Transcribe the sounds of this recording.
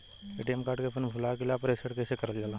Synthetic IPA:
eːʈiɛmkaːɾɖkepʰʊnpʰʊlakeliaːpəɾɪsəɽkesekɐɾəld͡ʒaːla

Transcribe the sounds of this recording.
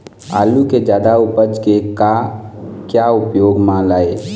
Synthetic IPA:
a̰ːluked͡ʒaːd̪aupəd͡ʒkeka | kjaupjoːɡmãlaːe

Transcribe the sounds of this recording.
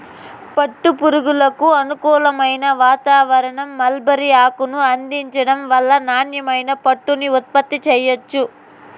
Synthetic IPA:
pɐʈːupuɾuɡulɐkuɐnukuːlɐmɐjnɐʋaːt̪aːʋɐɾɐɳɐmːɐlbɐɾiaːkunuɐnd̪iɲt͡ʃɐɽɐmʋɐlːɐnaːnjɐmɐjnɐpɐʈːuniut̪̚pɐt̪ːit͡ʃɛjot͡ʃːu

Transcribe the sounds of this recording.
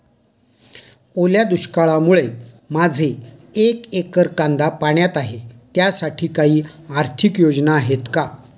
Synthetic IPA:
oljad̪uɕkaɭamuɭe | mad͡zʱeekekəɾkand̪apaɳjat̪aɦet̪jasaʈʰiːkaɦiːaɾt̪ʰikjod͡znaɦet̪ka

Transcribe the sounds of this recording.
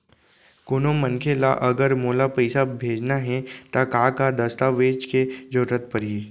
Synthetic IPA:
koːnomənkʰela̰ʔəɡəɾmoːlapəjsabʱeːd͡ʒnaɦɛt̪akakad̪əst̪aʋeːd͡ʒked͡ʒoːɾət̪̚pəɾe

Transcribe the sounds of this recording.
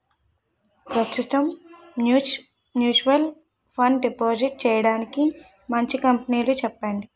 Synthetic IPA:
pɾɐst̪ut̪ɐm | u | mjuːt͡ʃuʋɐl | pʰɐɳɖɖipoːd͡ʒiʈ̚t͡ʃɛːjɐɽaːniki | mɐɲt͡ʃikɐmpɐniːlut͡ʃɛpːaːɳɖi

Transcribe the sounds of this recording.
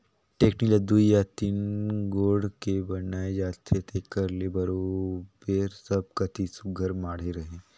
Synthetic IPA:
ʈeːknilɐd̪uijat̪inɡoːɽkebɐnaːed͡ʒaːt̪ʰet̪ʰekəɾlebɐɾobeɾsɐb̚kɐt̪ʰisʊɡʱəɾmaːɽ̤eɾɐɦẽː

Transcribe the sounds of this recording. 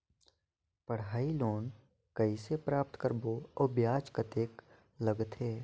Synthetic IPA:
pəɽ̤aːiloːn | kəisepɾaːp̚t̪kəɾboɔːbjaːt͡ʃkət̪eːk | ləɡt̪ʰeː

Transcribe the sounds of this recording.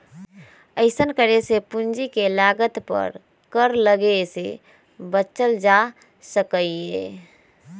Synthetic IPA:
əɪsənkəɾesepund͡ʒikelaɡət̪pə̰ɾ | kəɾləɡesḛ | bət͡ʃəld͡ʒa | səkəe

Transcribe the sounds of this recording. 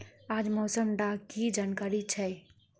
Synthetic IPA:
ad͡ʒmosəmɖakid͡ʒankaɾit͡ʃʰɛ

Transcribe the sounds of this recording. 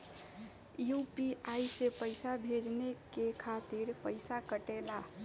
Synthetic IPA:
jupiaisepəɪsabʱed͡ʒnekekʰat̪iɾpəɪsakəʈela

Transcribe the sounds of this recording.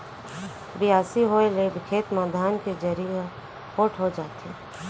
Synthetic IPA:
bɪjaːsiɦoelebɪkʰeːt̪maːd̪ʱaːnked͡ʒəɾie | poːʈʰɦod͡ʒaːt̪ɦeː

